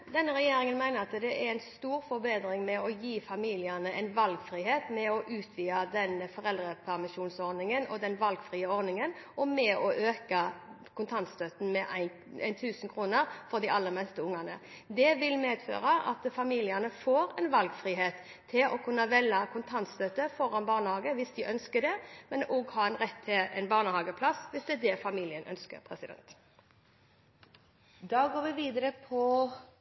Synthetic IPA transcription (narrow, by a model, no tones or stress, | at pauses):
d̪ɛnːəɾɛjeːɾɪŋənmæɪnəʁɑt̪d̪ɛæɾæɪnst̪uːɾfɔɾbeːd̪ɾɪŋmɛɔjiːfɑmiːlɪɑnəʔɛ̰ɪnʋɑlɡfɾiːɦeːt̪mɛɔʔʉːt̪ʰʋiːɑd̪ɛnəfɔʁɛld̪ɾəpʰæʁɾmɪʃuːnsɔɾd̪nɪŋənɔd̪ɛnʋɑlɡfʁiːəɔɾd̪nɪŋənʔɔmɛɔʔøːkə | kʰʊnt̪ʰɑnt̪st̪œt̪n̩mɛʔæɪn | æ̰ɪnt̪ʰʉːsn̩kʰɾuːnəɾfɔɾd̪ɪʔɑlːəɾmɛst̪əʊŋɑnə̰ | d̪ɛʋɪlmeːd̪fø̰ːʁɑʔɑ̰t̪fɑmiːlɪənəfoːɾɛɪnʋɑlɡfʁiːɦeːt̪ʰː | ɪlʔɔkʰʉnːɑʋɛlːɑkʰʊnt̪ʰɑnt̪st̪øt̪əfɔʁɑnbɑːʁnəhɑːɡəʋɪsd̪ɪʔœnskəd̪ɛmɛnoːɡhɑːɛnʁɛt̪ʰːɪlɛ̰nbɑːʁnəhɑːɡəpʰlɑsʋɪsd̪ɛd̪ɛfɑmiːlɪənʔœ̰nskə̰ɾpʰʁɛsɪd̪ɛ̰nt̪ | d̪ɑːɡoːɾʋɪʋiːd̪əɾəpʰɔ